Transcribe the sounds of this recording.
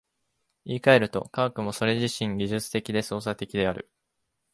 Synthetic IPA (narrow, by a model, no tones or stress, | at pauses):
iːkae̞ɾɯ̟t̪o̞̰kaokɯ̟mo̞so̞ɾe̞ʑiɕĩŋɡʲiʑɨt͡sɨ̥t̪e̞kʲid̪e̞so̞ːsat̪e̞kʲid̪e̞aɾɯ̟̰